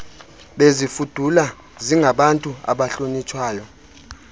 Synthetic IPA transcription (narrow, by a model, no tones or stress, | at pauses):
ɓezifud̥ʱula | ziŋɡʱaɓantʼua̰ɓaɬonit͡ʃʰwaːjɔ